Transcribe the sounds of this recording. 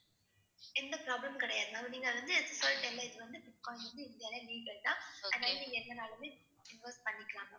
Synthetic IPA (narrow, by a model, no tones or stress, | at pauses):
ɪnd̪ɐpɾaːblɐmkɪɽɐjaːðɯnaːpɐniːŋɡɐʋɐnd̪ɯɛðɯsɐːlʈɛlːɐɪðɯʋɐnd̪ɯbɪʈkːɔ̃ːʋɐnd̪ɯɪnd̪ɪjaːlẽniːʈːɛʈːãːʔɐaːjɐniːŋɡɐɛnːɐnaːlɐmeː | ɪnʋɐɾspɐɳːɪkːɐɭaːŋɐ